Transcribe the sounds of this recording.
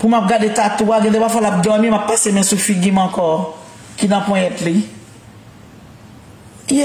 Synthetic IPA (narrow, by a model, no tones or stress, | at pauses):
pumap̚ɡadet̪at̪uaɡɛ̃d̪epafɔlap̚d̪ɔmimapːasemɛ̃sufiɡimɑ̃kɔ | kinɐ̃pɔ̃jɛtli